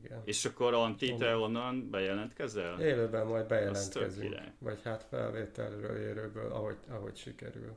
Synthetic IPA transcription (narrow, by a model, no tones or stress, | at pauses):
ɡɛneːʃɒkːo̞ɾɒnt̪it̪ɛo̞nːɒnbɛjɛlɛnt̪kɛzɛleːløːbɛmmɒjd̪̚bɛjɛlɛnt̪ɛ̰zyḭŋɾɛ̰vɒchat̪fɛ̰lveːt̪ɛlrø̰ːleːɾøːbøːlɒɦoɟɒɦocʃikɛɾyl